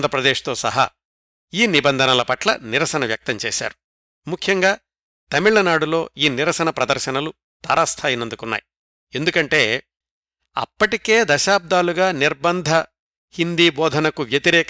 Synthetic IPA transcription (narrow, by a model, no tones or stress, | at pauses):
nd̪ʱɾɐpɾɐd̪eːʂt̪o̞ːsɐ̰ɦɐ̰ | iːnibɐnd̪ʱɐnɐlɐpɐʈlɐ̰niɾɐsɐnɐʋjɐk̚t̪ɐɲt͡ʃḛːʃa̰ːɾu | mukʰjɐŋɡaː | t̪ɐmiɭːɐnaːɽulo̞ːiːniɾɐsɐnɐpɾɐd̪ɐɾʃɐnɐlu | t̪ɐːɾaːst̪ʰaːjinɐnd̪ukunːa̰ːji | e̞nd̪ukɐɳʈe̞ː | ɐ̰pːɐʈike̞ːd̪ɐʃaːb̚d̪aːluɡaːniɾbɐnd̪ʱɐ | hind̪iːbɔːd̪ʱɐnɐkuʋjɐt̪iɾɛːk